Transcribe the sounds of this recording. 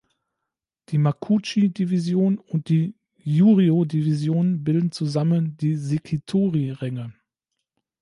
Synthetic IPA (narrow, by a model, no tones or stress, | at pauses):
d̥iːmakʰut͡ʃidivizjoːnʊnt̚d̥iː | juːʁiodivizjoːnənbɪldn̩t͡suzaməndiːzekʰitʰoːʁiʁɛŋə